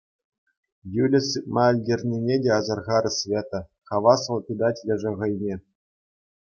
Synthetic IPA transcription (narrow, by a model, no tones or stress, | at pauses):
julʲɘ̆sɯt̪̚mɑɘ̆lʲdʲerʲnʲenʲedʲeɑzɑrʁɑɾɘ̆sʲvʲet̪ɤ̆χɑʋɑs̆lˠpʲed̪ɑtʲjʲɘ̆ʐɤ̆ʁɤ̆jnʲe